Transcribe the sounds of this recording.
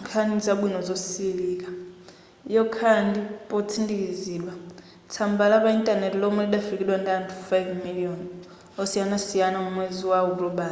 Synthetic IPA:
ŋkʰanid͡zaɓinɔzɔsilikʼa | jɔkʰandipʼot͡sʰindikʼiziːɗwa | t͡sʰambalapaintʼanɛtilɔmuliɗafikiɗwandaantʰufajvmiliɔn | ɔsianasijanamumweziwauɾɔba

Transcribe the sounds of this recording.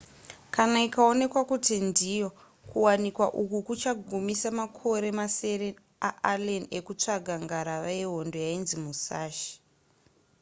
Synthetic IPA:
kanaikao̞ne̞kwakutindijo̞ | kuwanikwaʔukukut͡ʃaɡʱumisamakʰo̞ɾe̞mase̞ɾe | aʔalene̞kut͡ʂaɡʱaŋɡaɾaʋajeɦondo̞jainzimusaːʃi̥

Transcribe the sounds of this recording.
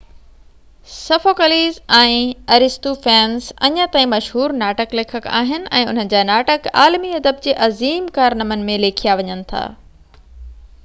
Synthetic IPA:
sɐfoːkəliːzɛ̃ːɐɾɪst̪ufɛːnzɐ̰ɲə̃t̪aːĩmɐʃɦuːɾnaːʈəkleːkʰəka̰ːɦɪnɪ̆ʔɛ̃ːʊn̤ənɪ̆d͡ʑaːnaːʈəka̰ːlmiɐd̪əb̚d͡ʑeːʔɐziːmkaːɾnɐmənɪ̆mẽleːkʰijaʋɐɲənɪ̆t̪ʰa̰ː

